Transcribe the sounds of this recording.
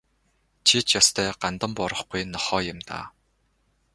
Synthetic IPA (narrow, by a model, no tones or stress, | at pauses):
t͡ɕʰit͡ɕjɔst̪ʰœːɢant̪ə̆mpɔɾə̆χɡujnɔχɔːjʊmt̪a̰ː